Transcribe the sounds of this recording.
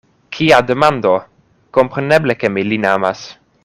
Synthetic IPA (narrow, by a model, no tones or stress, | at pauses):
kʰiad̪emand̪o | kompɾeneblekemilinamas